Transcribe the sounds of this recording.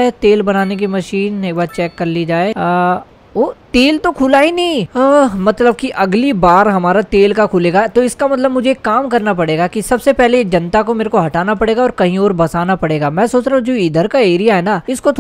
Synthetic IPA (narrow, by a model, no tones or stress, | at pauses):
et̪eːlbɐnaːnek̬imɐʃiːneːkbaːt͡ʃɛːkːɐɾlid͡ʒaːe | oːt̪eːlt̪okʰuːlaːinɐĩmɐt̪ləb̚kiʔɐɡlibaːɾɦɐmaːɾat̪eːlkakʰuːleːɡat̪oɪskamɐt̪ləbmʊd͡ʒʱekːaːmkɐɾnap̬ɐɽeːɡakisɐbsepɛɦled͡ʒɐnt̪akomeːɾekoɦɐʈaːnapɐɽeːɡaɔːɾkɐɦĩɔːɾbɐsaːnapɐɽeːɡamɛ̃ːsoːt͡ʃɾaːɦũd͡ʒoːiːd̪əɾkaeːɾijaɦɛnaɪskot̪ʰ